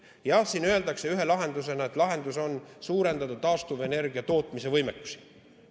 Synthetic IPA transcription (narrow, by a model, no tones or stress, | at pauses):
jɑsiːnye̞ld̪ɑkse̞yɦe̞lɑɦe̞nd̪use̞nɑet̪ːˑlɑɦe̞nd̪uso̞nsuːɾe̞nd̪̥ɑt̪uɑːst̪uve̞ne̞rɡiɑt̪o̞ːt̪ːˑmise̞vɤjmekːˑu̥si̥